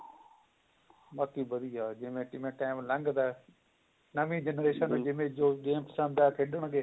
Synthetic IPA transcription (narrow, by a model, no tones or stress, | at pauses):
baːkiːbɐɾiːaːd͡ʒɪ̃ɦmẽʈɪmẽʈaːɪmlɐ̃ŋɡd̪aː | nɐmĩd͡ʑenɾeːʃəñːd͡ʒɪ̃mẽd͡ʒoːɡeːmpsãːmd̪aːkʰeɗəɽ̃ɡeː